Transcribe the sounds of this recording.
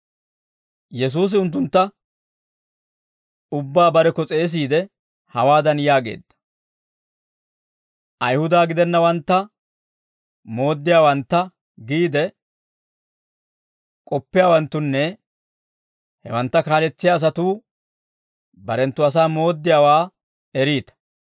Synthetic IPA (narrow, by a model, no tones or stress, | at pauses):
jɛs̬uːs̬ɪʊnt̪ːʊnt̪ːɐ | ʊbːaːbɐɾɛkɔt͡sʼeːs̬iːd̪ɛ | hɐwaːd̪ɐnjaːɡe̞̰ːd̪ːɐ̥ | ʔɐjhʊd̪aːɡɪd̪ɛnːɐwɐnt̪ːɐ | mo̞ːd̪ːɪjaːwɐnt̪ːɐ | ɡiːd̪ɛ | kʼɔpːɪjaːwɐnt̪ːʊnːɛ | hɛ̰wɐnt̪ːɐkaːlɛt͡sːɪjaːs̬ɐt̪uː | bɐɾɛnt̪ːʊɐs̬aːmo̞ːd̪ːɪjaːwaː | ɛɾiːt̪ɐ̥